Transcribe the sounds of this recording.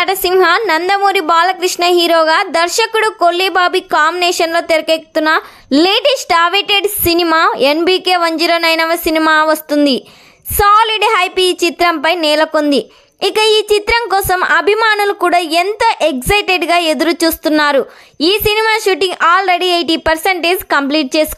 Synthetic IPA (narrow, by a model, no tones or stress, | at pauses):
ɐʈɐsimɦɐnɐnd̪ɐmuːɾibaːlɐkɾiʂɳɐɦiːɾoːɡaːd̪ɐɾʃɐkuɽukolːibaːbikaːminɛːʃɐnlo̞ːt̪eɾɐkeːk̚u̥t̪unːɐ | leːʈesʈaːʋeʈeɖsinimaːenbiːkeːʋɐɲd͡ʒuɾɐnɐjnɐʋɐsinimaːʋɐst̪und̪i | saːliɖɦɐjpit͡ʃit̪ɾɐmpɐjnɛːlɐkond̪i | ikɐiːt͡ʃit̪ɾɐŋkɔːsɐmɐbʱimaːnulukuːɽaːent̪ɐʔeɡsɐjʈeɖɡaːe̞d̪uɾut͡ʃuːst̪unːaːɾu | iːsinimaːʃuːʈiŋɡaːlɾeɽiejʈiːpɐɾseɳʈeːd͡ʒkɐmpliːʈ̚t͡ʃe̞ːsu̥